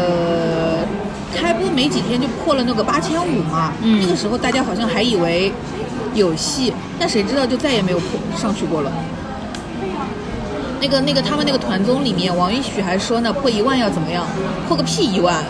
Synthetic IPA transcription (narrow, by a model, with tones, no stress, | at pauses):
ə | kʰa˥ɪpu˥˩me˧˥ɪt͡ɕi˨˩t̪ʰjɛ˥nt͡ɕjo˥˧ʊpʰwɔ˥˩lə˩nə˥˩ɡə˩pa˥t͡ɕʰjɛ˥nu˨˩mɐ˧˥n˥˩ɡə˩ʂɻ̩˧˥xo˧ʊt̪a˥˩t͡ɕja˥xɑ˨˩ʊɕjɑ˥˩ŋxa˧˥ɪi˨˩we˧˥ɪ | jo˨˩ʊɕi˥˩ | t̪a˥˩nʂe˧˥ɪʈ͡ʂɻ̩˥ɑ˥˧ʊt͡ɕjo˥˧ʊt͡sa˥˩ɪjɛ˨˩me˧˥ɪjo˨˩ʊpʰwɔ˥˧ʂɑ˥˧ŋt͡ɕʰy˥˧kwɔ˥˩lə˩ | na˥˩ɡə˩na˥˩ɡə˩t̪ʰa˥mə˧na˥˩ɡə˩t̪ʰwa˧˥nt͡sʊ˥ŋli˨˩mjɛ˥˩nwɑ˧˥ŋi˧˥ɕy˨˩xa˧˥ɪʂwɔ˥nə˧pʰwɔ˥˩i˧˥wa˥˧njɑ˥˩ʊt͡sə˨˩nmə˦jɑ˥˩ŋpʰwɔ˥˧kə˥pʰi˥˩i˧˥wa˥˩n